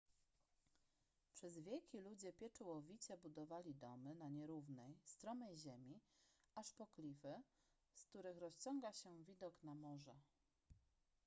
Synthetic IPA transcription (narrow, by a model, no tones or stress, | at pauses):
pʂɛzvʲjɛlkʲilud͡ʑɛpʲjɛt͡ʂuwɔvʲit͡ɕɛbud̪ɔvalʲid̪ɔmɘnaɲɛɾuvnɛjst̪ɾɔmɛjʑɛmʲiaʂpɔklʲifɘ | sk̚t̪uɾɘxɾɔst͡ɕɔŋɡaɕɛvʲid̪ɔknamɔʐɛ